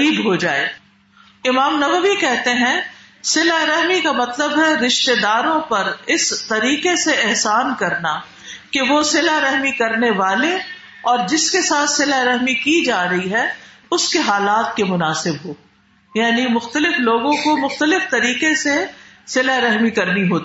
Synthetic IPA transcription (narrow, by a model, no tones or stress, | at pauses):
iːbɦod͡ʒaːḛː | ɪmaːmnɐʋəʋikɛɦt̪eɦɛ̃ | sɪlaɾɛɦmikamɐt̪ləbɦɛɾɪʃt̪ed̪aːɾõpɐɾɪst̪ɐɾiːqeseɪɦsaːnkɐɾna | keʋosɪlaɾɐɦmikɐɾneʋaːle | ɔːɾd͡ʒɪskesaːt̪ʰsɪlaɾɐɦmikid͡ʒaːɾɐɦiɦɛʊskeɦaːlaːt̪̚kemʊnaːsɪbɦoː | jaːnimʊxt̪əlɪfloːɡõkomʊxt̪əlɪft̪ɐɾiːqese | sɪlaɾɐɦmikɐɾniɦoːt̪i